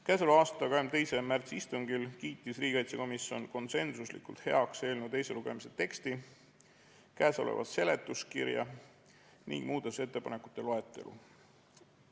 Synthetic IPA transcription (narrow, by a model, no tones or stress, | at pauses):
kæːsoluɑːst̪ɑkɑemt̪e̞jse̞mært̪sist̪uŋɡilkiːt̪ːˑisriːɡ̥ʲeɑjt̪sɑko̞misjo̞nko̞nse̞nsuslḭkṵlt̪he̞ɑkse̞ːlnud̪ejse̞luɡ̥e̞mise̞t̪e̞kst̪i | kæːso̞̰lḛvɑ̰sse̞le̞t̪ːˑuskirjɑ̰ | nḭŋɡ̥muːd̪ɑse̞t̪ːe̞pɑne̞kˑu̥t̪ːˑe̞lo̞e̞t̪ːˑe̞̰lʔṵ